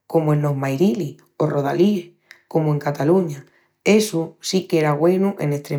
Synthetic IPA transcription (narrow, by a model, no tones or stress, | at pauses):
ko̞moẽ̞nlo̞ɦmajɾili | o̞ro̞ð̞a̰lieh | ko̞moe̞ŋkat̪aluɲa | e̞susikeɾaɣwe̞nuʔe̞̰ne̞ht̪ɾe